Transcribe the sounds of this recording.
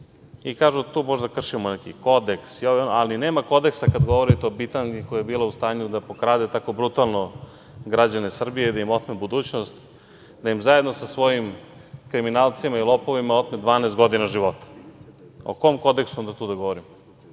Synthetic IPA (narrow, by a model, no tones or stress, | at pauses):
ikaːʒut̪uːmoʒd̪akr̩ʂimonekḭko̞d̪eksioʋoalineːmako̞d̪e̞ksakad̪ɡoʋoɾit̪eopit̪anikojajebiːlaust̪aːɲud̪apokɾaːd̪et̪ako̞bɾut̪alˠno | ɡɾad͡ʑanesr̩bijeid̪aimot̪mebud̪uːt͡ɕnost̪ | d̪ajimzajed̪nosasʋo̞jim | kɾiminaːlˠt̪simailˠopo̞ʋimaot̪med̪ʋaːneːst̪ɡo̞d̪inaʒiʋo̞t̪ḁ | o̰komko̞d̪eksund̪at̪uːd̪aɡo̞ʋoɾimo